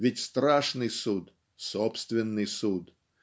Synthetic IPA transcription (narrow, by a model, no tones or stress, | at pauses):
vʲɪtʲst̪ɾaʂnɨjsut̪ | sopst̪vʲɪnːɨjsut̪